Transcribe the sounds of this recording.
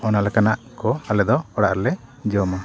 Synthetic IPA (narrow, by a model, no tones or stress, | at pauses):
ɔnalɛkanaʔkɔalɛd̪ɔɔɽaʔɾɛlɛd͡ʒɔma